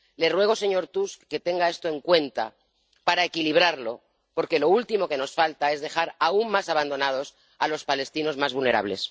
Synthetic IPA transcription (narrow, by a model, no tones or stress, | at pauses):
le̞rwe̞ɣ̞ose̞ɲo̞ɾt̪uskke̞t̪e̞ŋɡae̞st̪o̞e̞ŋkwe̞nt̪a̰ | paɾae̞kiliβ̞ɾaɾlo̞̰ | po̞ɾke̞lo̞ult̪imo̞ke̞no̞sfalt̪ae̞zðe̞xaɾaumːasaβand̪o̞nað̞o̞s | alo̞spale̞st̪ino̞zmazβulne̞ɾa̰β̞le̞̰s